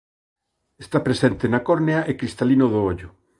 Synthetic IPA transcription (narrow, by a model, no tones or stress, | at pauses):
est̪apɾesent̪enakoɾneaʔekɾist̪alinoðooʎʊ